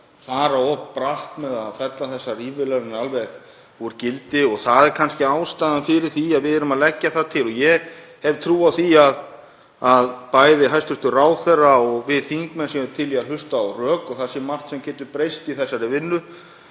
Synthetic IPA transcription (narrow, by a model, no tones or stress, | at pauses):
faːɾaɔhppɾaht̪mɛðaðfɛt̪laθɛsːariːvɪlɛɾɪnalvɛx | ɔɛɾcɪlt̪ɪɔɣθaðɛɾkʰanscɪaːwst̪ajðanfɪɾɪɾ̥θiaðvɪðɛɾʏmaðlɛcːaθaðt̪ʰɪlɔjɛhɛvt̪ʰɾuːawθiað | aðpajðɪɦajst̪ʏst̪ʏraːwθɛrːaɔɣvɪðθiŋkmɛnsjɛʏt̪ʰɪljɛaɾɦʏst̪awrœːkɔɣθasɪmar̥t̪sɛmcɛːt̪ʏɾpɾejst̪iθɛsːaɾɪvɪnːʏ